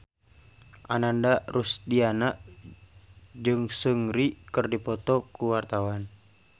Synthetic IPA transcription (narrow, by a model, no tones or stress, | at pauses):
ʔanandarusdianaʔ | d͡ʒɨŋsəŋɾikɨrdipɔt̪ɔkuwart̪awan